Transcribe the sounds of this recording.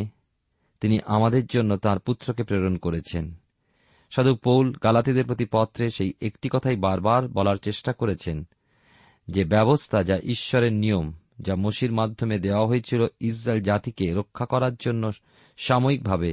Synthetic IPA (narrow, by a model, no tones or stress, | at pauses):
t̪iniʔamad̪eɾd͡ʑonːot̪aɾput̪ːɾokepɾeɾonkoɾet͡ɕʰen | ʃad̪upowlɡalat̪id̪eɾpɾot̪ipɔt̪ːɾeʃejekʈikɔt̪ʰajbaɾbaɾbɔlaɾt͡ɕeʃʈakoɾet͡ɕʰen | d͡ʑebɛβost̪ʰad͡ʑaʔiʃːɔɾeɾnijom | d͡ʑamoʃiɾmad̪ʱːomed̪eoaɦoet͡ɕʰilois̬ɾaeld͡ʑat̪ikeɾokʰːakɔɾaɾd͡ʑonːo | ʃamoik̚bʱabe